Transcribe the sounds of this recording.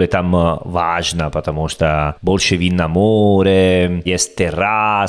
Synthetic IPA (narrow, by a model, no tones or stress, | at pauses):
let̪amvaʒnapat̪amɔst̪aboɾt͡ʃevinːamoːɾejɛst̪erːa